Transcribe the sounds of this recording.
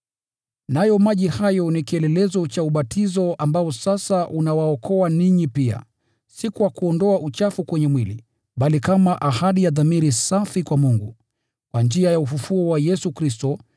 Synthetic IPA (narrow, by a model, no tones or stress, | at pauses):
najɔmaʄihajɔnikiɛlɛlɛzɔt͡ʃauɓatʰizɔʔambaɔsasaʔunawaɔkʰɔaniɲipia̰ | sikuwakuɔndɔaʔut͡ʃafukwɛɲɛmwilḭ | ɓalikamaʔahaɗijaðamiɾisafikwamuŋɡu | kwand͡ʒiajaufufuɔwajɛsukɾistɔ